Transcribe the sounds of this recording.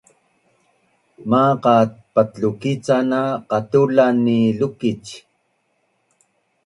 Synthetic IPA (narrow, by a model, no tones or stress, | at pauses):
maqɑt̪̚pat̪t͡ɬukit͡sanaqɑt̪ulanilukit͡ʃ